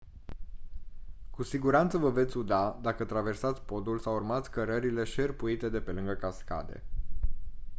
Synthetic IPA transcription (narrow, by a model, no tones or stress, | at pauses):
kusiɡuɾant̪səvəve̞t̪sʲud̪ad̪akət̪ɾave̞rsat̪sʲpo̞d̪ulsawurmat̪sʲkəɾəɾile̞ʃe̞rpuit̪e̞d̪e̞pe̞lɨŋɡəkaska̰d̪e̞̰